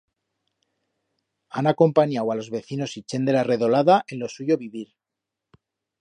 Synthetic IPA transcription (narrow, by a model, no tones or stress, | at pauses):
anako̞mpaɲawalo̞zβe̞θino̞sit͡ʃe̞nd̪e̞lare̞ðo̞laðaʔe̞nlo̞suʝo̞βiβiɾ